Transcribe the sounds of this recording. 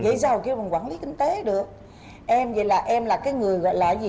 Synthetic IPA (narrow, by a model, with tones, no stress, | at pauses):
ɣə̰˧˩˦jsaː˧wki˧wɓŋkwaː˧˩nli˨˦kï˧ŋ̟t̪e˨˦ɗɨ˨˩ək̚ | ʔɛ˧mvə̰˧˨˩jlaː˨˩ʔɛ˧mlaː˨˩kaː˨˦jŋɨ˨˩əjɣɔ̰˧˨jlaː˧˩zi˨